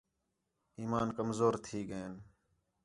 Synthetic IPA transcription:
iːmaːnkəmzoːɾt̪ʰiːɡəeːn

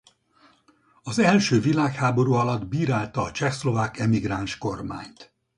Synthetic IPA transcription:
ɒzɛlʃøːvilaːkhaːbo̞ɾuːɒlɒd̪biːɾaːlt̪ɒːt͡ʃɛxslo̞vaːkɛmiɡɾaːnʃko̞rma̰ːɲt̪

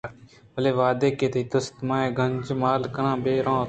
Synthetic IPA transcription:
bəleːʋaːd̪eːkeːt̪iːt̪ʊst̪mãːẽːɡʱənʲd͡ʒmaːlkəɾãːbeːɾãː

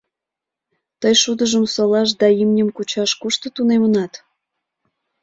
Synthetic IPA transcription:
t̪əjʃud̪əʒəmsolɑʃ̬d̪ɑimnʲəmkut͡ɕɑʃkuʃt̪ə̆t̪unemənɑt̪

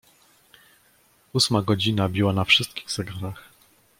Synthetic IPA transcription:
usmaɡɔd͡ʑinabʲiwanafʂɘst̪kʲiɣzɛɡaɾax

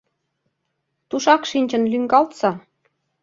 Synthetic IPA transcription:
t̪uʃɑkʃinʲt͡ɕə̆nlyŋɡɑlt̪sɑ

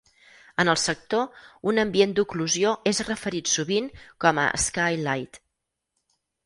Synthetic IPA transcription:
ənəlˠsək̚t̪ounəmbiend̪ukluzioezrəfəɾit̪suβiŋkɔmə̰ə̰skajlajt̪

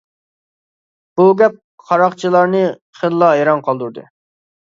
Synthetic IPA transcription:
b̥uɡʲɛp̚ | qʰɑɾɑqt͡ʃʰilˠɑɾnɨ | χenlˠɑeɾɑnqʰɑlˠd̪uɾd̪ɨ̰

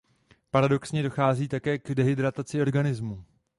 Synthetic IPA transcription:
paɾado̞ksɲɛdo̞xaːziːt̪akɛːɡdɛɦɪdɾat̪at͡sɪo̞ɾɡanɪzmu

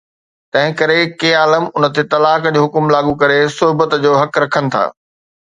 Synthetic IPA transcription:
t̪ɐ̃ɦɪ̃kɐɾekeːaːləmʊnə̆t̪et̪ɐlaːkd͡ʑoːɦʊkʊmlaːɠũkɐɾesʊɦbət̪d͡ʑoːɦɐkɾɐkʰənɪ̆t̪ʰa̰ː

